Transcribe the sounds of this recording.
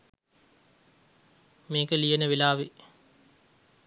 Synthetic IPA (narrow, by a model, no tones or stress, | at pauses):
meːkəlijenəʋilaːʋi